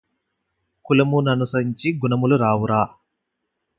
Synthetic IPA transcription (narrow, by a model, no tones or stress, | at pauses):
kulɐmunɐnusɐɾiɲt͡ʃiɡunɐmuluɾaːwuɾaː